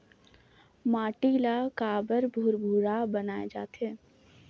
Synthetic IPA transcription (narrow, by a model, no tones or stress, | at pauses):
maːʈiːlakaːbəɾbʱʊɾbʱuːɾabɐnaːed͡ʒa̰ːt̪ɦeː